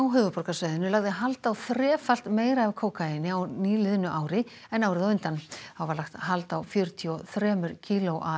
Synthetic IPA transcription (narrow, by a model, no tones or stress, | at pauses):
awɦʏːvʏpɔɾkasvaːjðɪnːʏlaɣðɪɦalt̪awθɾɛːfal̥t̪meːjɾaɛvkʰoːwkʰajɪnːɪawniːlɪðʏnːʏʔaːwɾɪ | ɛnaːwɾɪðawʏnt̪anawvaɾlaxt̪ɦalt̪awfjœɾt̪ʰiɔθɾɛːmʏɾcʰiːloʔa